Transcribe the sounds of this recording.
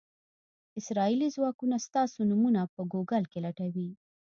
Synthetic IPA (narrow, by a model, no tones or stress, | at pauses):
ɪsɾɑilizwɑkunast̪ɑsonumunapəɡoɡalkelaʈawi